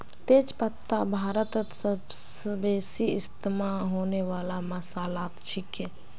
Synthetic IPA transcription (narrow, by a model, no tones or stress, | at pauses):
t̪eːd͡ʒpət̪ʰːabʱaːɾət̪t̪səbsbeːsiɪst̪imaɦoːneʋaːlaməsaːlaːt̪t͡ʃʰɪke